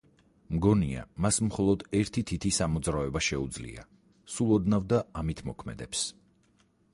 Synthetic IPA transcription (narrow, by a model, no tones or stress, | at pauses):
mɡɔnia̰masmχɔlˠɔd̪ɛɾt̪ʰit̪ʰit̪ʰisamɔd̪zɾavɛbaʃɛud̪zlḭa̰ | sulˠɔd̪navd̪aamit̪ʰmɔkʰmɛ̰d̪ɛps